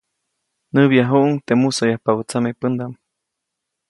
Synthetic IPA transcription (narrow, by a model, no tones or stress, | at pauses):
nɨβjaɦuʔuŋt̪emusojahpaβut͡samepənd̪am